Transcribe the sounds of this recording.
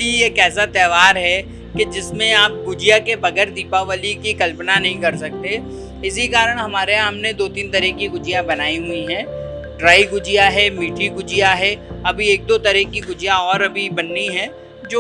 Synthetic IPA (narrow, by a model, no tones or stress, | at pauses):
iejekɛːsat̪ɛːʋaːɾɦɛ | ked͡ʒɪsmẽaːp̚ɡʊd͡ʒɪjakebɐɡɛːɾd̪iːpaʋəlikikɐlpnanɐɦĩkɐɾsɐk̚t̪e | ɪsikaːɾəɽ̃ɦɐmaːɾeãːmned̪oːt̪iːnt̪ɐɾɛkiɡʊd͡ʒijãbɐnaːiɦʊiɦɛ̃ː | ɖɾaːiɡʊd͡ʒijaɦɛːmiːʈʰiɡʊd͡ʒijaɦɛɐbʱieːk̚d̪ot̪ɐɾɛkːiɡʊd͡ʒijãɔːɾɐbʱibɐnːiɦɛ̃ː | d͡ʒoː